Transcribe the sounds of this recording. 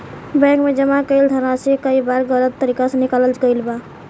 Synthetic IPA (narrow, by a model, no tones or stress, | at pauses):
bɛ̃kmed͡ʒəmãkəɪld̪ʰʱəɾasekəibaɾɡələt̪ːəɾikasənikaləlt͡ʃɡəɪlba